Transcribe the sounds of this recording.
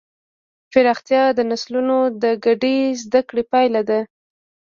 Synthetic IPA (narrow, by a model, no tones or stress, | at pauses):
fɪɾɑxt̪jɑd̪ənaslunod̪əɡaɖezd̪akɽepɑjlad̪a